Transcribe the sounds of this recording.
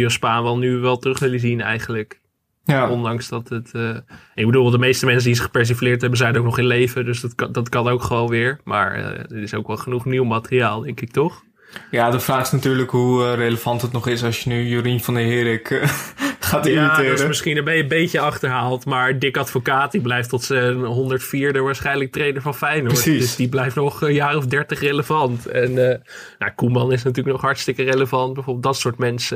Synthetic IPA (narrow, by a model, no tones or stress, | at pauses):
jospaːnʋɛlˠnyʋɛlˠtərɵχʋɪləzinɛ̰jχənlək | jɔndɑŋsdɑtətə | ɪɡbədʊlˠbɪlˠdəmejstəmɛns̬ədizəχə̥pɛɹs̬iflɪːɹtɦɛbənzɛjənowknɔχɪnlejvədɵsdtdɑtkɑnowkχəʋownʋɪːɹma̰ːɹə̰dəɹɪsowkʋɛlˠχənuχniwmaːtəriaːlˠdɛŋkɪk̚tɔχ | jaːdəfraːχɪsnatyːɹləkɦurejləvɑntɦətnɔχɪsɑsjənyjyɾinfɑndəɦɪːɾɪk | χaːtɪaviɪːəmɪsχinəmbembejcəɑχtəɹɦaːlˠtmaːɹdɪkɑtfokaːt̚diblɛjftɔtsənɦɔndəɹtfiːɹdəʋaːɹsχɛjnələk̚trejnəɹvɑnfɛjnɔɹsidɵsdiblɛjftnɔχjaːrɔvdɛɹtəχreləvɑntɛnː | ja̰kumɑnɪs̬natyːɹləknɔχɦɑɹtstɪkəreləvɑnt̚bɛvoːbɪlˠtdɑtsʊːɹtmɛnsə